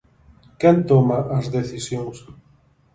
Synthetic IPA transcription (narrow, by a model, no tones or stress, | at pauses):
kɛ̃nt̪omaʔazðeθisjoŋs